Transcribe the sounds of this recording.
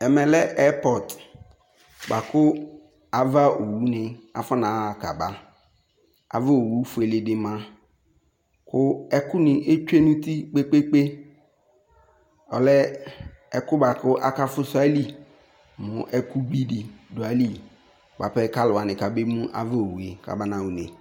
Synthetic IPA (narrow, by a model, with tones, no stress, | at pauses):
ɛ˨mɛ̃˨lɛ˦ʔɛ˦pɔ˨d | ba˨kʊ˦ | a˨va˦ʔo˨wu˦nɪ̃˨a̰˨fɔ˦nã˨ka̰˨ba˦ | a̰˨va˦o˨wu˦fʊ˨e˨lɪ˨dɪ˨mã˦ | kʰʊ˦ɛ˦kʊ˦nɪ̃˨ʔe˦t͡ʃᶣe˦nũ˦t̪i˦k͡pe˦k͡pe˦k͡pe˦ | ɔ̰˨lɛ˦ | ɛ˦kʊ˦ba˨kʊ˦ʔa˦ka˦fʊ˦sa˦li˦ | mʊ̃˨ʔɛ˦ku˦bi˦dɪ˨dʊ˨a˨li˦ | ba˨pɛ˦ka˦lʊ˨a˨nɪ̃˨ka˨be˦mũ˦ʔa̰˨va˦o˨wu˨e˨ka̰˨ba˦nã˨wu˦nɪ̰̃˨